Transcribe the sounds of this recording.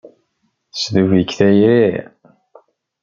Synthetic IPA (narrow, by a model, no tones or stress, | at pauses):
θsðuvəkːθæjɾi